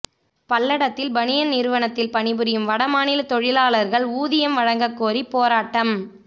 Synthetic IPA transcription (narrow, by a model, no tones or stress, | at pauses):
pɐlːɐɽɐt̪ːɪlbɐnɪjɐnɪɾɯʋɐɳɐt̪ːɪlpɐɳɪbɯɾɪjɯmʋɐɽɐmaːnɪlɐt̪ɔɻɪlaːlɐɾɣɐɭuːðɪjɐmʋɐɻɐŋɡɐkːoːɾipːoːɾaːʈːɐm